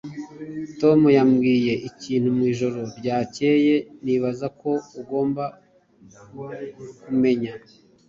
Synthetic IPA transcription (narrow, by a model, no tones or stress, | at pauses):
to̞mujamɡiːje̞ʔiciːn̥humwiːʒo̞ɾo̞ɾɟaːce̞ːje̞niːβazako̞uɡo̞ːmba | kume̞ɲa